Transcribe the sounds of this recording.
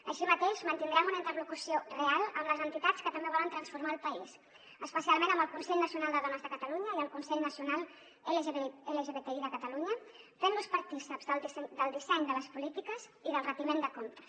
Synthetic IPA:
əʃimət̪eʃmənt̪ind̪ɾɛmunəint̪ərlukusiorealˠəmləzənt̪it̪at͡skət̪əmbeβɔlənt̪ɾənsfuɾmaːlˠpəis | əspəsialˠmenəmbəlˠkunsɛʎnəsiunalˠd̪əðonazðəkət̪əluɲəiəlˠkunsɛʎnəsiunalˠ | eleʒeeleʒeβet̪eiðəkət̪əluɲəfenluspəɾt̪isəpzd̪əlˠd̪isɛd̪əlˠd̪isɛɲd̪ələspulit̪ikəziðəlˠrət̪imend̪əkont̪ə̥s

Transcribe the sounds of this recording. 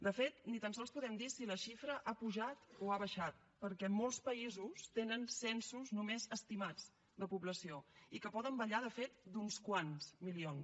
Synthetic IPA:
d̪əfet̪nit̪ansɔlˠspuðɛmd̪isiləʃifɾəʔapuʒat̪oaβəʃat̪̚ | pəɾkɛmolˠspəizust̪enənsɛnsuznumezəst̪imad͡z | d̪əpuβləsioikəpɔðəmbəʎaðəfet̪d̪unskwanzmilion

